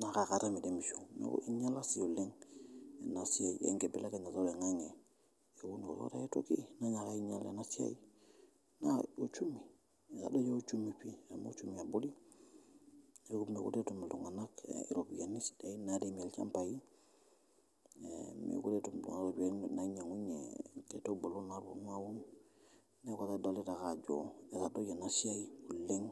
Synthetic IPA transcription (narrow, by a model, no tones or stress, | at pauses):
nakakaɾamidemiʃuno̰o̰ʔiɲalasioleŋ | nasiaj̰ḛŋkebilakenazoleŋaŋe | ekunikoso̰ɾaeto̰kinaɲakaiɲa̰lḛnasia̰ji | na̰ot͡ʃumi | a̰dojout͡ʃumːipiamo̰t͡ʃumiabuli | kumikṵtetumiluŋanakḭɾopiɡanisdeinaɾemielt͡ʃa̰mpaji | emḭkṵtetumlṵŋaɾod͡ʒenaɲaŋuɲḛketobolunabṵmawun | nekatadoletakaɟo̰ekadoɟenasiajiuleŋ